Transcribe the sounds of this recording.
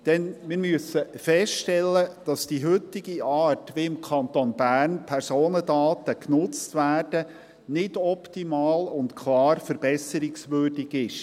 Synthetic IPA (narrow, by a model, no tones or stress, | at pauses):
d̥ɛnmɪːɾmyəsəfɛstɛlːəd̥ɑsd̥iɦʏt̪ːiɡ̥iɑːtʋiɪmkʰɑnt̪onbæːrnpʰɛɾsoːnədɑːt̪əknʊt͡stʋæːrd̥ə | nɪd̥ɔptimɑːlʊntkʰlˠɑːɾfəɾbɛsəɾɪksʋʏːrdɪɡɪʃ